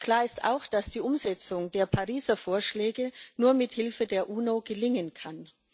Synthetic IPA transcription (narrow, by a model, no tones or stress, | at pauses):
kl̥aːɐɪsta̰ʊxd̥asd̥iːʔʊmzɛt͡sʊŋdeːɐpʰaʁiːzɐfoːɐʃlɛːɡənuːɐmɪthɪlfədeːɐʔuːnoɡəlɪŋənkʰan